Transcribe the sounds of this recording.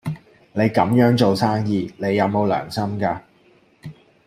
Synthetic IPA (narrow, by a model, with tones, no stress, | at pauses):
ne˨˧jkɐ˨˥mjœː˨˥ŋt͡ʃo˨wsaː˥ŋjiː˧ne˨˧jːɐ˨˧wmo˨˧wlœ̰ː˨˩ŋsɐ˥mkaː˧